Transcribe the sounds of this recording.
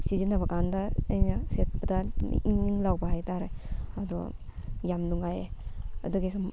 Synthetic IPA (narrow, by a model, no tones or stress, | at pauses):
sizinɐbɐkandɐɐjnɐset̚pɐdɐ̰iŋiŋlawbɐhajtaɾeɐdɔjamnuŋajeɐ̰duɡisum